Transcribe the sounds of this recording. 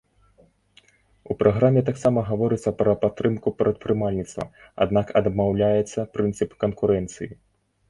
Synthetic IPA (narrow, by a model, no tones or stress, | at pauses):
upɾʔaɣɾamʲɛt̪aksamɐɣavɔɾɨt̪sːɐpɾɐpat̪ːɾɨmkupɾɐt̪̚pɾɨmalʲnʲit̪st̪vɐ̰ | a̰d̪nakɐd̪mawlʲajɛt̪sːɐpɾɨnt̪sɨpkɐnkuɾɛnt̪sɨji